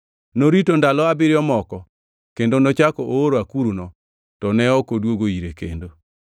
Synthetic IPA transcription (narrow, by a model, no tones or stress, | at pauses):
noɾitondalɔabɪɾjɔmɔkɔ | kendonot͡ʃakɔʔooɾoakuɾunɔ | tɔnɛɔkodwoɡoiɾekḛndo